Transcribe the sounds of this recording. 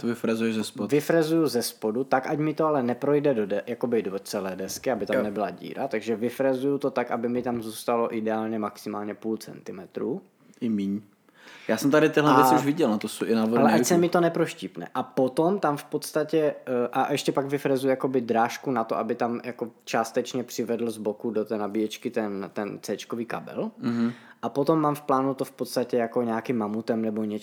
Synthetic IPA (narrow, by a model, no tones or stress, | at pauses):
t̪ovɪfɾɛzujɛzɛspovɪfɾɛzujuzɛspodut̪akʔaɟmɪt̪oalɛnɛpɾojdɛdodɛjakobɪdot͡sɛlɛːdɛskɪabɪt̪ammnɛbɪlaɟḭːɾa̰t̪aɡʒɛvɪfɾɛzujut̪ot̪akabɪmɪt̪amzuːst̪alo̞ʔɪdɛaːlɲɛmaksɪmaːlɲɛpuːlt͡sɛ̰nt̪ɪmɛt̪ɾuː | ʔɪmiɲ | jaːsɛmt̪aɾɪt̪ɪɦlɛvɛt͡sɪuʒvɪɟɛlnat̪osoʔɪnavoalɛʔasɛmɪt̪onɛpɾoʃcipnɛ̰ʔapot̪omt̪amfpot̪st̪acɛʔaʔɛʃcɛpaɡvɪfɾazujujakobɪd̪ɾaːʃkunat̪oʔabɪt̪amjakot͡ʃaːst̪ɛt͡ʃɲɛpr̝̥ɪvɛd̪l̩zbokudot̪ɛːnabijɛt͡ʃkɪt̪ɛnt̪ɛnt͡sɛːt͡ʃkoviːka̰bɛ̰l̩ɦʔapot̪omːamfplaːnut̪ofpot̪st̪acɛjakoɲaakɪmːamut̪ɛmnɛboɲɛ